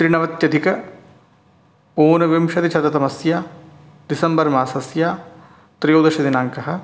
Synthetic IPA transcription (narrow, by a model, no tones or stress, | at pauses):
t̪ɾiɳɐʋɐt̪jɐd̪ikɐ | oːnɐʋimʃɐt̪it͡ʃʰɐt̪ɐt̪ɐmɐsjaː | d̪isɐmbɐɾmaːsɐsjaː | t̪ɾijoːd̪ɐʃɐd̪inaːŋkɐɦɐ̆